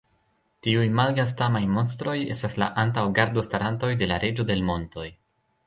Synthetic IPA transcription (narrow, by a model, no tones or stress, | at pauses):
tiujmalɡas̬tamajmo̞nstɾo̞je̞̰stasla̰ʔantawɡaɾdo̞staɾanto̞jde̞laɾʔe̞d͡ʒo̞de̞lmo̞nto̞j